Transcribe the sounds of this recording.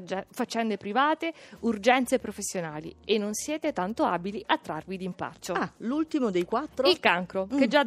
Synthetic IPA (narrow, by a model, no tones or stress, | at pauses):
fat͡ʃːɛnd̪epɾivaːt̪eurd͡ʒɛnt̪sepːɾofesːjonaːlḭenːonsjɛːt̪et̪ant̪oaːbiliʔat̪ːɾarvid̪impa̰t͡ʃːolult̪imod̪ejkwat̪ːɾoilkaŋkɾoked͡ʒːa